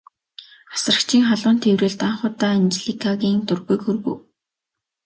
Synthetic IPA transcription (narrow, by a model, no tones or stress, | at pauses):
asrə̆kt͡ɕʰiːŋχaɮʊːnt̪ʰewrɘ̆ːɮt̪aɴχʊːt̪aːnt͡ɕɮikʰaɣʲiːŋt̪ʊrɣujkxurɣṵː